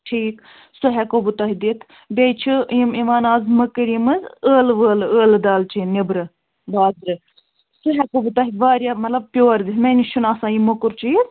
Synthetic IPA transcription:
ʈʰiːk | suɦɛkobut̪aːɦid̪it̪ʰ | bʲejt͡ʃʰɨjimiʋaːnaːzmɐkɨɾimɨzəːlʋəːləːld̪aːlt͡ʃʰinibɾɨ | baːzɾɨ | suɦɛkobut̪aːɦiʋaːɾjaːmɐt̪lɐb̚pʲjoːɾd̪ismeniʃunaːsãːjimokuɾt͡ʃʰiiz

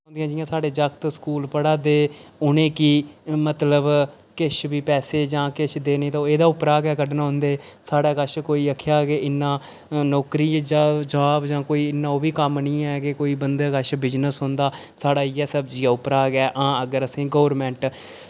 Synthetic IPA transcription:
ʊ̃nd̪ijãːd͡ʒɪjãːsaːɖeːd͡ʒəkt̪skuːlpəɽaːd̪eːʊnẽːkiːmət̪ləb | kɪʃbiːpɛːseːd͡ʒãːkɪʃd̪eːneːt̪oeːd̪aːʊpɾaːɡɛːkəɖnaɦʊ̃nd̪eː | saːɽaːkəʃkoːiːəkʰːjaːkeːʔɪnːãː | nɔːkɾiːd͡ʒãːd͡ʒaːbd͡ʒãːkoːiːɪnːãːoːbiːkəmnĩːɛːkekoːiːbənd̪aːkəʃʰbɪd͡ʒnəsɦʊ̃nd̪aː | saːɽaːiːɛːsəbd͡ʒiːaːʊpɾaːɡɛːʔãːəɡəɾəsĩːɡoːɾmɛ̃ːɳʈ

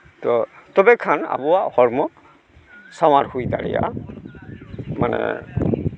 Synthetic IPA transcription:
tɔtɔbɛkʰana̰buwaʔhɔɹmɔ | sawathujtaɹija̰ | manɛ̰

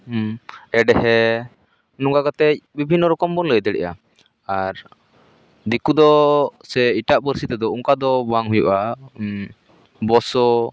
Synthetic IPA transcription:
ɛɖɛɦɛ | nuŋɡakat̪ɛc̚bibʱinːɔɾɔkɔmbɔnləjd̪ɛɽɛ̰ʔa | aɾ | d̪ikud̪ɔsɛiʈaʔbəɾsit̪ɛd̪ɔuŋkad̪ɔbaŋɦujṵʔa | bɔsɔ

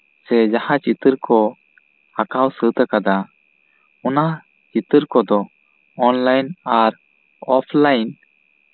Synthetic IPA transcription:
sɛd͡ʒahãt͡ʃit̪əɾkɔ | hakawsət̪əkad̪a | ɔna | t͡ʃit̪əɾkɔd̪ɔ | ɔnlajnaɾ | ɔpʰlajn

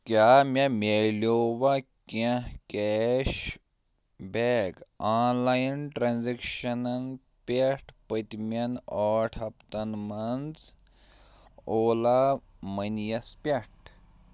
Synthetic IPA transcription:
kʲaːmʲɐmʲeloːwɐkʲẽkɛːʃ | beːɡaːnlajnʈɾanzekʃɐnɐn | pʲeʈʰpət̪ʲmʲɐnɔːʈʰɐpt̪ɐnmɐnt͡s | oːla | mɐnjɐspʲeʈ

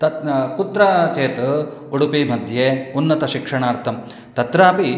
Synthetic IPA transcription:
t̪ɐkut̪ɾaːt͡ʃeːt̪ | uɽupiːmɐd̪ʱjeːunːɐt̪ɐʃikʂɐɳaːɾt̪ʰɐm | t̪ɐt̪ɾaːpi

